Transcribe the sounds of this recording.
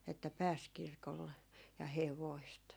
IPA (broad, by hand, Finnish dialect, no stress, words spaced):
etːæ pæːs kirkolːe jɑ heʋoist